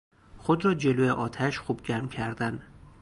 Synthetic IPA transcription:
χod̪ɾɒːd͡ʒeloeʔɒːt̪ʰæʃχubɡʲæɾmcʲʰæɾd̪æn

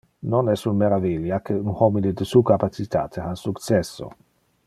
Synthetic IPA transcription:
nonɛsunmeɾaviljakʰeunhɔmined̪əsuːkapat͡sit̪aːt̪ʰeasukt͡sɛsːo̰

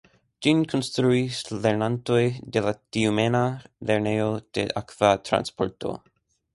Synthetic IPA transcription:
d͡ʒinkʰonst̪ɾuisleɾnanto̞jde̞latiumenaleɾnejo̞d̥e̞̰ʔakv̥atɾa̰nspoɾto̞̰

